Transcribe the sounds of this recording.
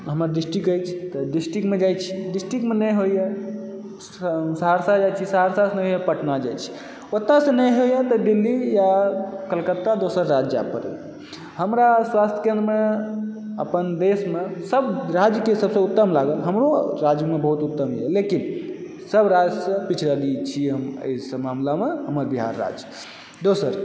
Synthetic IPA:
ɦəməɾɖisʈikəjt͡ʃʰi̥t̪ɔɖisʈikmed͡ʒajt͡ʃʰiɖisʈikmenəjɦojɛ | səɦaɾsad͡ʒajt͡ʃʰisəɦaɾsasnɛjɦojɛpəʈnad͡ʒa̰jt͡ʃʰi̥ | ot̪nasə̃nəjɦojɛt̪ɔɖilːijakəlkət̪ːad̪osəɾːad͡ʒja̰pəɾɛ̰ | həmɾaswast̪ʰəkeə̃nɾme | əpənd̪esmesəbɾad͡ʒjəkesəbsə̃ut̪ːəmlaɡəlɦəmɾoɾad͡ʒjəmebəɦut̪ut̪ːəmɦjɛlekin | səbɾad͡ʒsə̃pit͡ʃʰɾəd̪it͡ʃʰiɦəmə̰jsə̃mamlameɦəməɾbiɦa̰ɾːa̰d͡ʒ | d̪osəɾ

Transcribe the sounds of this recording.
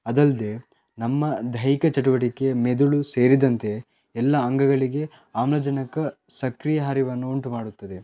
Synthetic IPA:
ɐd̪ɐld̪e̞ | nɐmːɐd̪ʱɐjikɐt͡ʃɐʈ̬uʋɐʈikːe̞med̪uɭuse̞ːɾid̪ɐnt̪e̞ | ɛlːɐːŋɡɐɡɐɭiɡe̞ | aːmlɐd͡ʒɐnɐkɐ | sɐkɾijɐɦaːɾiʋɐnːuuɳʈumaːɽut̪ːɐd̪e̞

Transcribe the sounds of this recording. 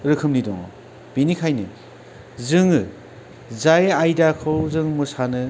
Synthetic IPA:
ɾɯkʰɯmnidɔ̰ŋ̰ | b̥inikʰajnɯ̰ | zɯŋɯ | zajajdakʰɯwzɯŋmɯsanɯ

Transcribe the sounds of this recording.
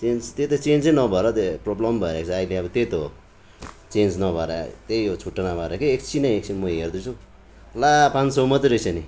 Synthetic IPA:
t͡send͡zt̪et̪ot͡send͡zenʌbʱʌɾʌt̪eproblʌmbʱʌeɾakt͡sʰʌaileʌbʌt̪et̪o | t͡send͡znʌbʱʌɾa̰t̪ejjot͡sʰuʈːʌnabʱʌɾakeːkt͡sʰinʌ̃jek̚sʰinmʌɦerd̪ut͡sʰu | lapãnsʌmʌt̪iɾʌsʰʌni

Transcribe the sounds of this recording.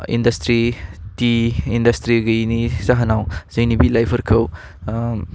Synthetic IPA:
ḭndɐstɾitiːndɐstɾiɡɐinizaɦɐnawzɐjnibilajpʰɐɾkʰɐw

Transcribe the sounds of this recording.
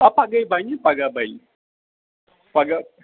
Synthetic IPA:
apaɡajbaiɲapaɡabai | paɡa

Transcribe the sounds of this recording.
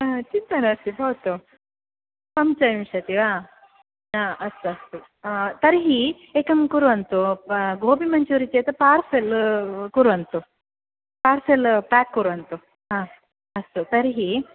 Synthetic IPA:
t͡ʃint̪ɐnɐɐst̪ibɐːt̪u | pɐmt͡ʃɐʋimʂɐt̪iʋaː | ãːʔɐst̪uɐst̪u | t̪ɐɾɦi | eːkɐmkuɾuɐnt̪uɡʱoːbimɐɲt͡ʃuɾit͡ʃeːt̪ɐpaːɾselkuɾuɐnt̪u | paːɾselpaːkːuɾuɐnt̪u | ɦãː | ɐst̪ut̪ɐɾɦi

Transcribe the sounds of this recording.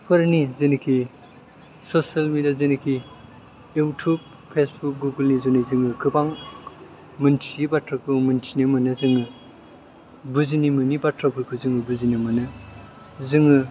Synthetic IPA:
pʰɯɾnizenikʰi | sosalmediazenikʰi | jutʰub̚ | pʰesbuk̚ɡuɡɯlnizɔnizɯŋɯkʰɯbaŋ | mɯntʰiibatʰɾakʰɯmɯntʰinɯmɯnɯzɯŋɯ | buzinimɯnibatʰɾapʰɯkʰuzɯŋɯbuzinɯmɐnɯ | zɯŋɯ

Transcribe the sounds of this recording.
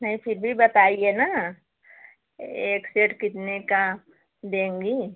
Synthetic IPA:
nɐɦĩfʰɪɾbʱibɐt̪aːiena | eːkseːʈkɪt̪neka | d̪ẽːŋɡiː

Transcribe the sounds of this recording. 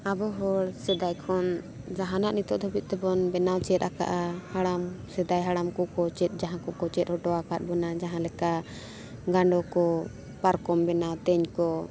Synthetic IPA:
abɔɦɔɽsɛd̪ajkʰɔn | d͡ʒaɦanaʔnit̪ɔʔd̪ɔbit̪̚t̪ɛbɔnbɛnawt͡ʃɛt̪̚aka̰ʔahaɽamsɛd̪ajɦaɽamkɔkɔt͡ʃɛt̪̚ˀd͡ʒaɦãkɔkɔt͡ʃɛt̪̚ˀhɔʈɔakat̪̚bɔnad͡ʒaɦãlɛka | ɡaɳɖɔkɔ | paɾkɔmbɛnawt̪ɛɲkɔ

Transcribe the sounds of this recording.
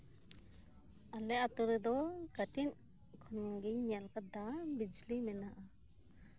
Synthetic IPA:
alɛat̪uɾɛd̪ɔkaʈin | kʰɔnɔŋɡiɲɲalkad̪abid͡ʒlimɛnaʔa

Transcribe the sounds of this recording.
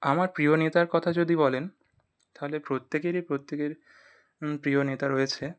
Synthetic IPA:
amaɾpɾionet̪aɾkɔt̪ʰad͡ʑod̪ibɔlen | t̪aɦolepɾot̪ːekeɾipɾot̪ːekeɾ | pɾionet̪aɾojet͡ɕʰe

